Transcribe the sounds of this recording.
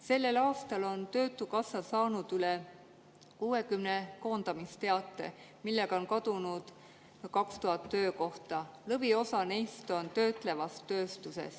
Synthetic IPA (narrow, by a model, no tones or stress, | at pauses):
se̞lːe̞lɑːst̪ɑlo̞nt̪ø̞ːt̪ːˑukɑsːɑsɑːnud̪̥yle̞ | kuːe̞kymne̞ko̞ːnd̪̥ɑmist̪e̞ɑt̪ːˑe̞̰ | milːeɡ̥ɑo̞nkɑd̪̥unud̪̥ | kɑkst̪uɦɑt̪ːø̞ːko̞ht̪ɑlɤvio̞sɑnejst̪o̞nt̪ø̞ːt̪ˑle̞vɑst̪ːø̞ːst̪usḛs